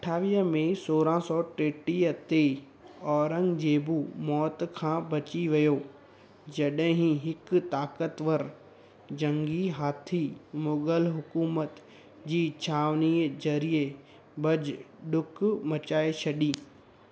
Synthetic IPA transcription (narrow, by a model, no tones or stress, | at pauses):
ɐʈʰaːʋiːɦəmẽsoːɾãsɔːʈeːʈiət̪e | ɔːɾə̃ŋɡd͡ʑeːbumɔːt̪kʰãːbɐt͡ɕiʋijoː | d͡ʑɐɗɦɪ̃ɦĩɦɪkt̪aːkət̪ʋəɾ | d͡ʑɐ̃ŋɡiɦaːt̪ʰimʊɡəlɦʊkuːmət̪ | d͡ʑiːt͡ɕʰaːʋniːzɐɾie | bɐd͡ʑɗʊkmɐt͡ɕaːet͡ɕʰɐɗiː